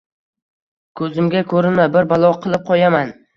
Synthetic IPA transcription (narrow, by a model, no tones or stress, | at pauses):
kʰɵzɪmɡʲakʰɵɾɪnabɪɾbalˠɒqʰɨlˠɪp̚qʰɒjaman